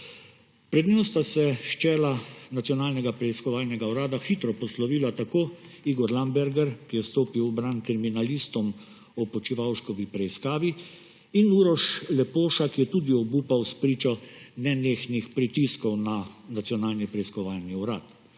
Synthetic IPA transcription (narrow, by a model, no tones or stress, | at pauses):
pɾɛd̪nost̪asɛʃt͡ʃɛːlanat̪sijɔnaːlnɛɡapɾɛiskɔʋaːlnɛɡauɾaːd̪axit̪ɾɔpɔslɔʋiːlat̪akoː | iːɡɔɾlambɛɾɡɛɾkijɛst̪oːpiwbɾankɾiminalist̪ɔm | ɔpɔt͡ʃiʋawʃkɔʋipɾɛiskaːʋiː | nuɾɔʃlɛpoːʃakjɛt̪uːd̪iɔbuːpawspɾiːt͡ʃɔnɛneːxnixpɾit̪iskɔwnanat̪sjɔnaːlnipɾɛiskɔʋaːlniuɾaːt̪